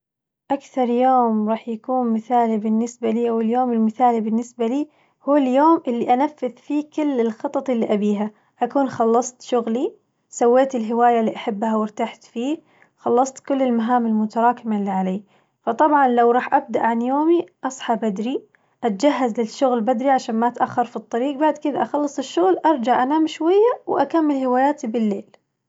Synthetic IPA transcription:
ʔakθɑɾˤjoːmɾˤɑːħjakuːnmɪθaːlibɪnːɪsbaliːʔawɪljoːmɪlmɪθaːlibɪnːɪsbaliː | huːɪljoːmʔɪlːiʔanafːɪðfiːkɪlːɪlxɑt̪ˤɑt̪ˤɪlːiʔabiːɦa | ʔakuːnxɑlːɑsˤt̪ʃʊɣli | sawːeːt̪ɪlɦɪwaːjalːiːʔaħabːhawɪɾt̪aħt̪fiː | xɑlːɑsˤt̪kʊlːɪlmaɦaːmɪlmʊt̪ɑɾˤɑːkɪmalːiʕaleː | fɑt̪ˤɑbʕɑnlawɾˤɑːħʔab̚d̪aʔʕanjoːmiʔɑsˤħɑbad̪ɾi | ʔat̪ad͡ʒaɦːazlɪʃːʊɣlbad̪ɾiʕaʃaːnmaʔat̪ʔaxːɑɾfit̪ˤːɑɾiːqbaʕd̪kɪd̪aʔaxɑlːɨsˤɪʃːʊɣlʔɑɾˤd͡ʒaʕʔanaːmʃwajːawʔakamːɪlhɪwaːjaːt̪ibɪlːeːl

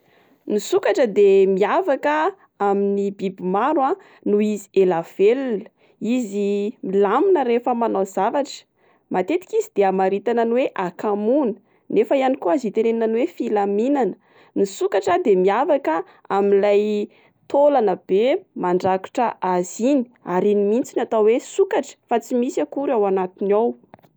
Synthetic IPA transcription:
nisukaʈ͡ʂəd̪emiavakə | aminibibimaɾwã | nuizi̥elav̥elunə | izimilaminəɾefəmanozavaʈ͡ʂə̥ | mat̪et̪i̥kizid̪̥eamaɾit̪ananuweʔakamunə | nefəianikuazit̪eɾeinanuwefilaminanə̥ | nisukaʈ͡ʂad̪emiafakə | amilaj | t̪olanəbemaɳɖ͡ʐaku̥ʈ͡ʂəʔazini̥aɾinimint͡sinat̪awwesukaʈ͡ʂə̥fat͡simisakuɾawanat̪inaw

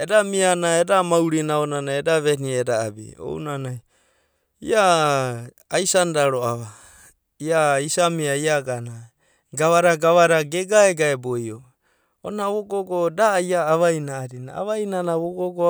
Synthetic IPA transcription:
edamianaedamawɾinaonanajedaβenieda̰ːbḭo̰ṵnanaj | ḭaː | jsandaɾoaβa | iaisamiaiaɡana | ɡaβaɾaɡaβaɾaɡeɡaeɡaebojo | onaβoɡoɡodajaːβajnaːɾina̰a̰βainanaβoɡoɡo

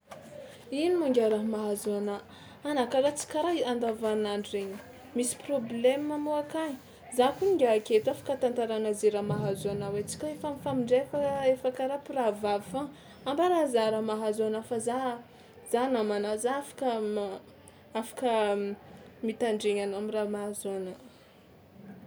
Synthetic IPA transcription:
inimuŋɡʲaɾaɦmaɦazuana | anakaɾat͡si̥kʲaɾaiand̪avanaɳiɾeɲə | misi̥problemamoakaɲi | zakuɲiŋɡʲaket̪uafḁkət̪ant̪aɾanazeɾamaɦazuanawet͡si̥kʲaefamifamiɳɖ͡ʐefaefakaɾapiravavifa | ambəɾazaɾamaɦazanafaza | z̥anamanazaafḁkə | afḁkə | mit̪aɳɖ͡ʐeɲanoamiramaɦazonə

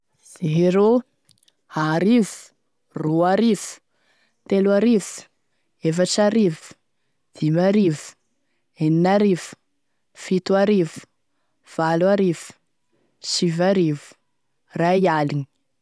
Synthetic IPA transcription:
z̥eɦeɾo | haɾivu̥ | ruaɾivu̥ | t̪eluaɾivu̥ | efaʈ͡ʂaɾivu̥ | d̪̥imaɾivu̥ | eninaɾivu̥ | fit̪uaɾivu̥ | v̥aluaɾivu̥ | ʃivaɾivu̥ | raialiɲi̥

